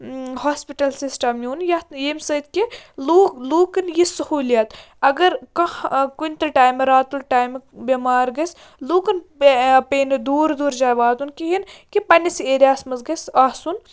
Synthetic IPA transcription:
haːspiʈɐlsisʈɐmjuːnjɐjemsɐt̪ʲkeluluːkɐnjisɐhuːlijɐt̪ | ɐɡɐɾkɐ̃kunʲt̪ɐʈaːjmeɾaːt̪ulʈaːjmbʲɐmaːɾɡɐs | luːkɐnpeːnd̪uːɾd̪uːɾd͡ʒaːʋaːt̪unkiɦinkipɐnʲiseːɾʲaːsmɐzɡɐsaːsun

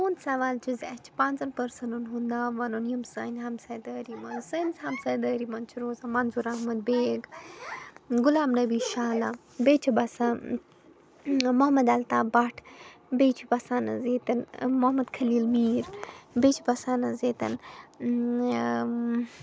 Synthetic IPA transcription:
toːnsɐʋaːlt͡ʃʰuzɐt͡ʃʰpaːnzɐnpɐɾsɐnunɦund̪aːʋɐnonjɐmsɐnɦɐmsɐːjd̪ɐːɾimɐnsɐnsɐmsɐjd̪ɐːɾimɐnt͡ʃʰuɾoːzamɐnzuɾɐɦmɐd̪̚beːɡ | ɡʊlaːmnɐbiːʃaːla | beːt͡ʃʰibɐsa | moɦɐmɐd̪ɐlt̪aːbɐʈʰbeːt͡ʃʰibɐsaːnɐ̰zeːt̪ɐnmoɦɐmɐd̪kʰɐliːlmiːɾbeːt͡ʃʰibɐsaːnɐzeːt̪ɐ̰n

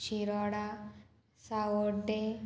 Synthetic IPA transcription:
ɕiɾɔɽa | sawoɖe

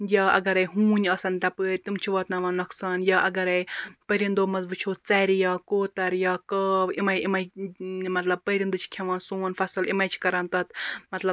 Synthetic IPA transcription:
jɐːɐ̰ɡɐɾɐjɦuːnʲɐsɐnt̪ɐpəːɾʲt̪imt͡ʃʰiʋɐt̪nɐʋɐnːɐksanjɐːʔɐɡɐɾɐjpəɾind̪oːmɐzbɨt͡ʃʰoːt͡sɐɾijɐːkoːt̪ɐɾjɐkɐːimɐjimɐjmɐt̪lɐb̚pəɾind̪ut͡ʃʰi̥kʲʰeʋɐːnsoːnfɐsɨlimɐjt͡ʃʰi̥kɐɾɐnt̪ɐt̪mɐt̪lɐb̚

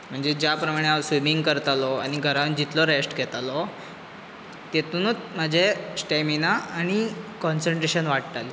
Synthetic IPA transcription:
m̤əɳd͡zed͡ʑjapɾəmaɽ̃easʋimiŋɡkəɾt̪alɔa̰ɽ̃iɡʱəɾand͡ʑit̪lɔɾesʈɡʱɛt̪alɔ | t̪et̪uːnət͡smad͡ʑʱesʈaminaːɽ̃ikɔnsəɳʈɾeɕənʋaʈt̪ali

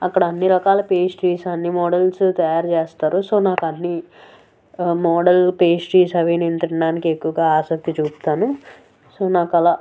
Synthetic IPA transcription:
ɐkːɐɽɐɐnːiɾɐkaːlɐpeːst͡ʃiːsɐnːimɔːɽɐlst̪ɐjaːɾt͡ʃeːst̪aːɾuso̞ːnaːkɐnːi | mɔːɽɐlpeːst͡ʃiːsɐʋinint̪ɐɳɐɖaːnikekːuʋɐɡaːaːsɐk̚t̪it͡ʃuːst̪aːnu | soːnaːkɐlaː

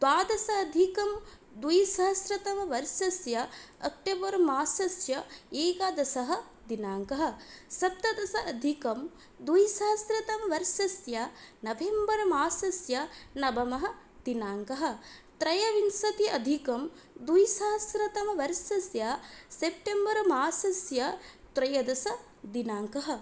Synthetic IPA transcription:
d̪aːd̪ɐsɐːd̪ʱikɐm | d̪ujsɐɦɐsɾɐt̪ɐmɐʋɐɾʃɐsjɐːk̚ʈebɐɾɐmaːsɐsjɐeːkad̪ɐsɐɦɐ̆ | d̪inaːŋkɐɦɐ̆sɐp̚t̪ɐd̪ɐsɐʔɐd̪ʱikɐm | d̪ujsɐɦɐsɾɐt̪ɐmɐʋɐɾʃɐsjɐnɐʋembɐɾɐmaːsɐsjɐnɐbɐmɐɦɐ̆ | d̪inaːŋkɐɦɐ̆t̪ɾɐjɐʋinsɐt̪iʔɐd̪ʱikɐm | d̪ujsaːsɾɐt̪ɐmɐʋɐɾʃɐsjɐsep̚ʈembɐɾmaːsɐsjɐt̪ɾɐjɐd̪ɐsɐ | d̪inaːŋkɐɦɐ̆

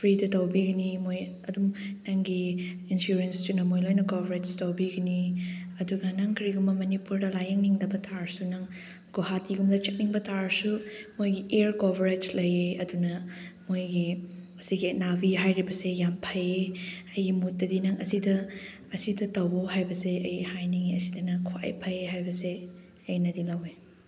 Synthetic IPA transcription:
pʰɾidɐtɐwbiɡɐnimoj | ɐdumnɐŋɡiinsuɾenstunɐmojlojnɐkobɾed͡ʒstɐwbiɡɐniɐduɡɐnɐŋkʰɾiɡumbɐmɐnipuɾdɐlajɐŋniŋdɐbɐtʰaɾsunɐŋ | ɡ̥ohatiɡumdɐt͡ʃik̚niŋbɐtʰaɾsumojɡiʔeɾkobʱɾed͡ʒlɐjeɐdunɐmojɡiɐsiɡinabiɦajɾibɐsejampʰɐjeɐjɡimut̚dɐdinɐŋɐsidɐː | sidɐtɐwboɦajbɐseɐjhajniŋiɐsidɐnɐkʰwa̰j̰pʰɐjeɦajbɐse | ɐjnɐdilɐwe

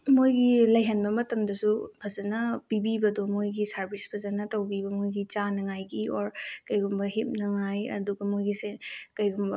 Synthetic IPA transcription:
mojɡilɐjɦɐnbɐmɐtɐmdɐsupʰɐzɐnɐpibibɐdomojɡisɐɾbʱisbʰɐzɐnɐtɐwbibɐmojɡit͡ʃanɐŋajɡioɾkɐjɡumbɐɦip̚nɐŋajɐ̰duɡɐmojɡisekɐjɡumbɐ

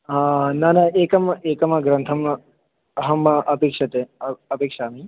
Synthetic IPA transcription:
nɐnɐeːkɐmeːkɐmɐɡɾɐnt̪ʰɐm | ɐɦɐmɐpeːkʂɐt̪eɐɐpeːkʂaːmi

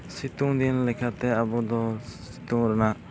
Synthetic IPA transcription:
sit̪ũd̪inlɛkʰat̪ɛabɔd̪ɔsit̪ũŋɾəna

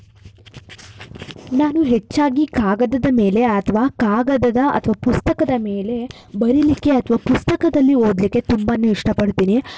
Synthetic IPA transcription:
naːnuɦet͡ʃːaːɡikaːɡɐd̪ɐd̪ɐme̞ːle̞ɐt̪ʰɐʋaːkaːɡɐd̪ɐd̪ɐʔɐ̰t̪ʰɐʋaːpust̪ɐkɐd̪ɐme̞ːle̞ | bɐɾilikːe̞ɐt̪ʰɐʋaːpust̪ɐkɐd̪ɐlːiɦoːd̪likːe̞t̪umbɐnːuiʂʈɐpɐɽt̪iːni

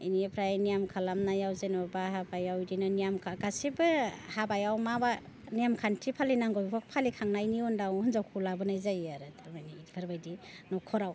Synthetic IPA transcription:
ḭnijepʰɾajnijamkʰalamnajawzenɔbaɦabajawdinanijamkʰaɡasibɯhabajawmaba | nijamkʰantʰipʰalinaŋɡɔjkʰɔk̚pʰalikʰaŋnajniɔndawhɯnzawkʰulabɯnajzajaɾɯtʰamajniipʰaɾbajdinɔkʰɔɾaw

